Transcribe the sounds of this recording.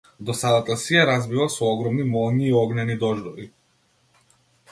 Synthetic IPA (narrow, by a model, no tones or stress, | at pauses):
d̪ɔsad̪at̪asijaɾazvivasɔɔɡɾɔmnimɔlˠɲiːɔɡnɛnid̪ɔʒd̪ɔvi